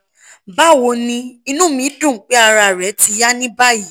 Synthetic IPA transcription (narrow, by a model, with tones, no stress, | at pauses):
ba˦˨wo˧nĩ˧i˧nũ˦mĩ˨˦dũ˦˨˦k͡pe˦a˧ɾa˧˨ɾɛ˨˦ti˧˦ja˦nĩ˦ba˦ji˨˦